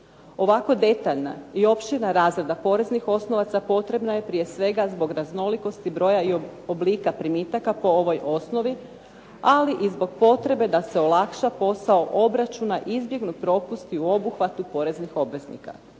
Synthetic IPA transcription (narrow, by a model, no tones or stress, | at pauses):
o̞ʋako̞d̪e̞t̪aʎna̰io̞pʃt̪inaɾaːzɾed̪apo̞ɾe̞znixo̞sno̞ʋat̪sapo̞t̪ɾe̞bnaje̞pɾije̞sʋe̞ɡazbo̞ɡɾazno̞liko̞st̪ibɾo̞ːjaioobliːkapɾimit̪akapo̞o̞ʋo̞jʔo̞sno̞ʋi | aliʔizbo̞ɡ̚po̞t̪ɾe̞be̞d̪ase̞o̞lˠakʃapo̞sao̞ʔo̞bɾat͡ʃunaʔizbje̞ɡnupɾo̞pust̪iuo̞buxʋat̪upo̞ɾe̞znixo̞bʋe̞znḭka̰